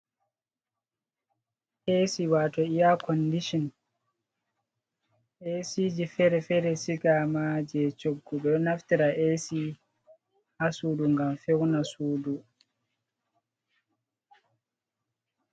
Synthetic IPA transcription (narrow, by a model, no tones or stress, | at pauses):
ʔesiwaːtɔijakʰɔndiʃɔn | ʔesid͡ʒifɛɾɛfɛɾɛsikamaːd͡ʒɛt͡ʃoɡːuɗɔnaftiɾaʔesi | hasuːduŋɡamfɛwnasuːdu